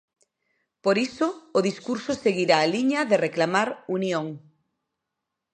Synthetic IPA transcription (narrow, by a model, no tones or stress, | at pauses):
poɾisoːðiskuɾsoseɣiɾaːliɲaðereklamaɾunjoŋ